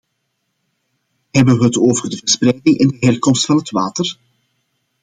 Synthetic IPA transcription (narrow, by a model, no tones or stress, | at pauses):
ɦɛbəʋəɦətoːvərdəvəsprɛjdɪŋʔɪndəɦɛrkɔmstfɑnɦətʋaːtər